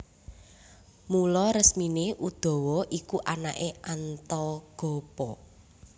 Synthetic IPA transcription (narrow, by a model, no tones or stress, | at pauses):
mulɔɾəsmineʔud̪̥ɔ̤wɔʔikuʔanaʔeʔant̪ɔɡ̥ɔ̤pɔ